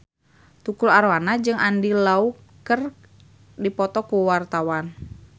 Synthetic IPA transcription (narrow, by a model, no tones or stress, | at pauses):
t̪ukulaɾwanad͡ʒɨŋandilau | kər | dipɔt̪ɔkuwart̪awan